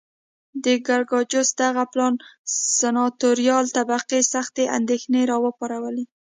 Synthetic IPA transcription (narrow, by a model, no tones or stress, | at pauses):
d̪əɡaɾɡɑd͡ʒʊsd̪aɣaplɑnsanɑt̪oɾijɑlt̪abaqesaxt̪eʔa̰nd̪exneɾɑwəpɑɾawəle